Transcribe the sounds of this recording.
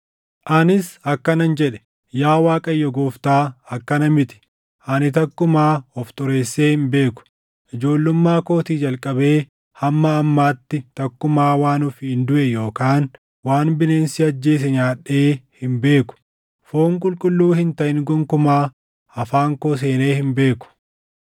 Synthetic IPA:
ʔɐnɪsɐkːɐnɐnd͡ʒɛᶑɛ̥ | jaːwaːkʼɐjːɔɡoːft̪aːɐkːɐnɐmɪt̪ɪ̥ | ʔɐnɪt̪ɐkːʊmaːɔft̪ʼʊɾe̞ːsːe̞ːhɪmbe̞ːkʊ̥ | ʔɪd͡ʒo̞ːlːʊmːaːko̞ːt̪iːd͡ʒɐlkʼɐbe̞ː | hɐmːɐːmːaːt̪ːɪt̪ɐkːʊmaːwaːnʊfhɪnd̪ʊʔɛjo̞ːkaːn | waːnbɪneːnsɪɐd͡ʒːe̞ːs̬ɛɲaːᶑe̞ːhɪmbe̞ːkʊ̥ | foːŋkʼʊlkʼʊlːuːhɪnt̪ɐʔɪŋɡɔŋkʊmaː | ɐfaːŋkoːs̬e̞ːne̞ːhɪmbe̞ːkʊ̥

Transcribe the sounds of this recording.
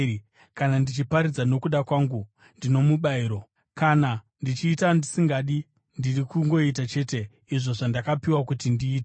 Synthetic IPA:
kanandit͡ʃipaɾid͡zano̞kuɗakwaːŋɡu | ndino̞muɓaiːɾo̞ | kana | ndit͡ʃiːtandisiŋɡaɗi | ndirikuŋɡo̞it̬at͡ʃe̞te̞ | iʐo̞ʐandakapiwakutindiːt̬e

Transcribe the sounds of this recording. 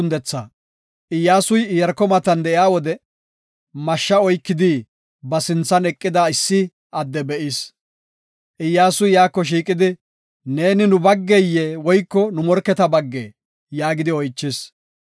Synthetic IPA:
ʊnd̪ɛt͡sːaː | ʔɪjːaːsʊjɪjɐɾkɔmɐt̪ɐnd̪ɛʔɪaːwɔd̪ɛ | mɐʃːɐɔjkːɪd̪i | bɐsɪnt͡sːɐnɛkʼːɪd̪aɪsːɪ | ʔɐd̪ːɛbɛʔɪs | ʔɪjːaːsʊjjaːkːɔʃ̬iːkʼɪd̪ɪ | ne̞ːnɪnʊbɐɡːɛjːeːwɔjkːɔnʊmɔɾkːɛt̪ɐbɐɡːḛː | jaːɡɪd̪ɪɔjt͡ʃːɪs

